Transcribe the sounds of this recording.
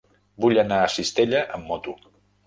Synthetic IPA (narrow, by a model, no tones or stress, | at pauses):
buʎənaəsist̪eʎəʔəmːɔt̪u